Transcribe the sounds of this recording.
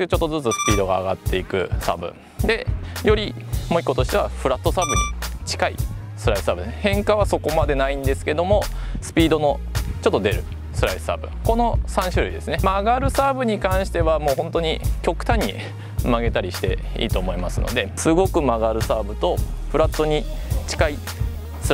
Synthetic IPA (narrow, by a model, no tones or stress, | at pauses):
t͡ɕo̞t̪ːo̞zɨt͡sɨsɨ̥pʲiːd̪o̞ɡaːɡa̰t̪ːe̞ikɯ̟̰sa̰bɯ̰̃ | d̪e̞jo̞ɾʲimo̞ikːot̪o̞ɕi̥t̪e̞βa̰ɸɯ̟ɾat̪ːo̞sabɯ̟ɲit͡ɕi̥kaḭsɨɾaisɨsaːbɯ̟d̪hẽ̞ŋkaβ̞aso̞ko̞mad̪e̞naĩnd̪e̞sɨ̥ke̞d̪o̞mo̞sɨ̥pʲiːd̪o̞no̞ | t͡ɕo̞t̪ːo̞d̪e̞ɾɯ̟ | sɨɾai̥sa̰ːbɯ̟̰ko̞no̞sãɰ̃ɕɨɾɯ̰id̪e̞sɨne̞maɡaɾɯ̟saːbɯ̟ɲ̟ikãɰ̃ɕi̥t̪e̞βamo̞ːɦõ̞nt̪o̞ɲ̟ikʲo̞kɯ̟̥t̪ãɲ̟ːḭ | maɡe̞t̪aɾʲiɕi̥t̪e̞̰ḭːt̪o̞ːmo̞imasɨno̰d̪e̞sɨɡo̞kɯ̟maɡaɾɯ̟saːbɯ̟t̪o̞ɸɯ̟ɾat̪ːo̞ɲ̟it͡ɕi̥kai | sɨ